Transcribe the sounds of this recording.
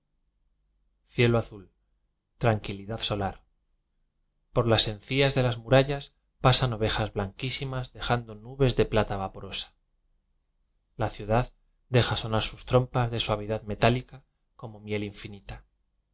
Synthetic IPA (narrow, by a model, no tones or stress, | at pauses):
θje̞loaθul | t̪ɾaŋkiliðaðso̞laɾ | po̞ɾlase̞nθiazðe̞lazmuɾaʎas | pasano̞βe̞xazβlaŋkisimazðe̞xand̪o̞nuβe̞zðe̞plat̪aβapoɾo̞sḁ | laθjuðað | d̪e̞xaso̞naɾsust̪ɾo̞mpazðe̞swaβ̞iðaðme̞t̪alika | ko̞mo̞mje̞liɱfinit̪a